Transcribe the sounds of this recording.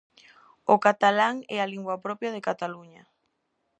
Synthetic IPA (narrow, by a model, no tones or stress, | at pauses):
okat̪alaŋɛ̰aliŋɡwapɾɔpjað̞ekat̪aluɲa